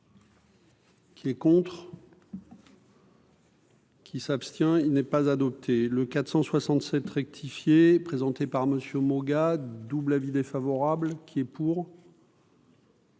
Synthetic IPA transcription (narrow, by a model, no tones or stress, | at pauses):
kʲiɛkɔ̃t̪χ | kʲʰisapst̪jɛ̃ilnɛpazad̪ɔp̚t̪ʰeləkat̪χsɑ̃swasɑ̃t̪sɛt̪ʁɛk̚t̪ʰifjepχezɑ̃t̪epaʁməsjømɔɡad̪ublavid̪efavɔʁablkʲʰiɛpuːʁ